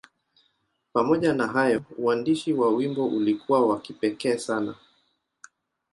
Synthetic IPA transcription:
pamɔʄanaɦajɔuwandiʃiwawimbɔʔulikʰuwawakipɛkɛːsana̰

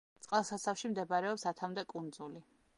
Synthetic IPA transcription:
t̪sʼqʼlˠsasafʃimd̪ɛbaɾɛɔpsat̪ʰamd̪ɛkʼund̪zuli

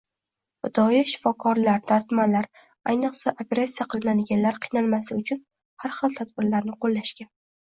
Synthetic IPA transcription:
bʊd̪ɒjɪʃɪ̥fɒkʰɒɾlaɾd̪̥aɾt̪manlaɾ | a̰jnɨqsaʔopʰeɾat̪sijaqʰɨlˠɪnad̪ɪɡʲanlaɾqʰɨjnalˠmasɪʊt͡ʃʰʊn | haɾχɨlˠt̪ʰad̪bɪɾlaɾnɪqʰolˠːaʃkʲan

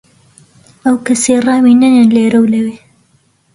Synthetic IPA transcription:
ɐwkɐseraːwinɐnenleːɾɐwlɐweː

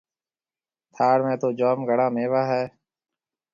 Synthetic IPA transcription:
t̪ʰaːɾmẽːt̪oːd͡ʒoːmɡəɽãːmẽːʋaːɦɛː

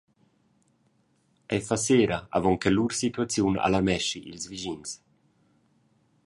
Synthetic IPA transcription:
ɛjfaseːɾaa̰vɔŋkɛluɾsit̪uat͡sjuna̰laɾmɛʃiʔḭlzviʒins

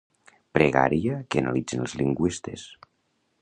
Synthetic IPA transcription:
pɾeɣa̰ɾiakeana̰lid͡zinəlˠzliŋɡwist̪es

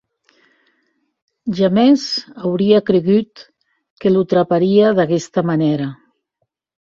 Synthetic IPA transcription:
ʒamɛzawɾiakɾeɣyt̪ | kelut̪ɾapaɾiaðaɣɛst̪amaneɾa

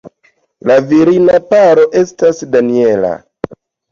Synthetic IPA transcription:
laviɾinapaɾo̞ʔe̞stasdanie̞la̰

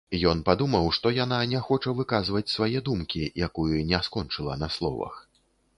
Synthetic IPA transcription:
jɔnpad̪umɐwʂt̪ɔjan̪anʲɛxɔt͡ʂɐvɨkazvɐt͡sʲsvajɛd̪umkʲijakujunʲɛskɔnt͡ʂɨlˠɐ̰nɐslˠɔ̰vɐ̰x

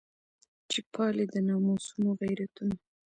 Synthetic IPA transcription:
t͡ʃipʰɑled̪ənɑmosunoɣajɾat̪una

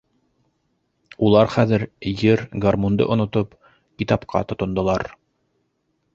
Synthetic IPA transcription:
ulˠɑɾχæðɘɾjɘɾɡarmund̪ɤ̰ʔŏnŏt̪op | kit̪ɑpqʰɑ̰t̪ŏt̪ŏnd̪ŏlˠɑɾ

